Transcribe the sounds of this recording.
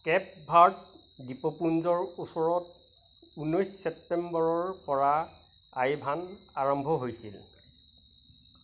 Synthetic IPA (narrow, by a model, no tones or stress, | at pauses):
kɛp̚bʱaɹt | dipɔpunzɔɹusɔɹɔt | unojssɛp̚tɛmbɔɹɔɹpɔɹa | ajbʱanaɹɔmbʱɔɦojsḭl